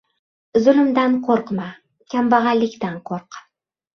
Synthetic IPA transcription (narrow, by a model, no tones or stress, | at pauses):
zʊlɪmd̪anqʰoɾqma | kʲʰambaʁɑlːɪkʲt̪anqʰoɾq